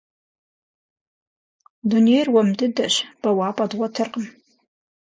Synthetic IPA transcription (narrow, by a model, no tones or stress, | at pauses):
dunejrwɐmdɨdɐɕb̥ɐwaːpʼɐdwʷɐtʰɨrqəm